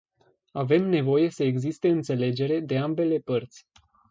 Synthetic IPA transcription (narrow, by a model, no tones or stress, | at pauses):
ave̞mne̞vo̞je̞səeɡzist̪e̞ɨnt̪se̞le̞d͡ʒe̞ɾe̞d̪e̞ambe̞le̞pərt̪sʲ